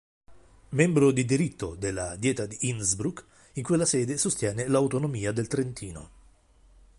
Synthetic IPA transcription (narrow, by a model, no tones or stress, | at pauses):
membɾod̪id̪iɾit̪ːod̪elːa̰d̪jɛːt̪ad̪iʔinsbɾuk | iŋkwelːasɛːd̪esost̪jɛːnelawt̪onomiːad̪elt̪ɾent̪iːno̰